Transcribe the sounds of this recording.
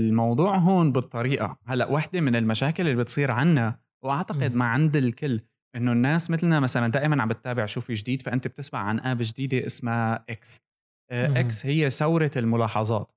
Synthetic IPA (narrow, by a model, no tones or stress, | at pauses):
lmɑwd̪ˤuːʕɦoːnbɨt̪ˤːɑɾiːʔa̰halːaʔwaħd̪emɪnɪlmaʃaːkɪlʔɪlːibɪt̪sˤiːɾʕanːa | wʔaʕt̪aqɪd̪maʕand̪ɪlkɪlː | ʔɪnːonːaːsmɪt̪lnamasaland̪aːʔɪmanʕambɪt̪ːaːbɪʕʃuːfiʒd̪iːd̪faʔɪnt̪eb̚t̪ɪsma̰ʕʕa̰nʔaːbʒd̪iːd̪eʔɪsmaʔɪks | ʔɪkshɪjːesawɾɑɪlmʊlɑːħɑzˤɑ̰ːt̪